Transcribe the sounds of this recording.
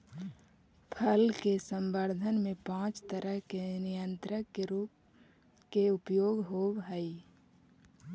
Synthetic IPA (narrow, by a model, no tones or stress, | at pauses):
pʰəlkesə̃mbəɾd̪ʱənmẽpãːt͡ʃt̪əɾəɦkenɪjənt̪ɾəkːeɾuːp̚ | keʊpjoːɡɦowɦəi